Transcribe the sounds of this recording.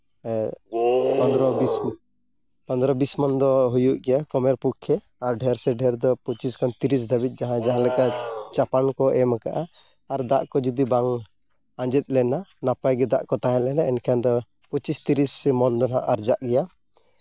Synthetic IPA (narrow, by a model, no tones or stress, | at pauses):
pɔnd̪ɾɔbis | pɔnd̪ɾɔbismɔnd̪ɔɦujuʔɡɛjakɔmɛɾpukʰːɛ | aɾɖʱɛɾsɛɖʱɛɾd̪ɔpɔt͡ʃiskɔnt̪iɾis̬d̪ʱabit̪̚ˀd͡ʒaɦãd͡ʒaɦãlɛkat͡ʃapankɔʔɛmakaʔaː | ɾd̪aʔkɔd͡ʒɔd̪ibaŋ | ãd͡ʒɛt̪̚ˀlɛnanapajɡɛd̪aʔkɔt̪aɦɛ̃lɛnaɛnkʰand̪ɔ | pɔt͡ʃist̪iɾismɔnd̪ɔnaʔaɾd͡ʒaʔɡɛja